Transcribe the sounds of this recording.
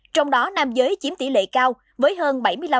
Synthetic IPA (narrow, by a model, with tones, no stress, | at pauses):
t͡ɕɔ˧wŋ͡mɗɔ˨˦naː˧mzəː˨˦jt͡ɕi˨˦nt̪i˧˩lḛ˧˨kaː˧w | vəː˨˦jɦəː˧nɓa˧˩jmɨ˧əjla˧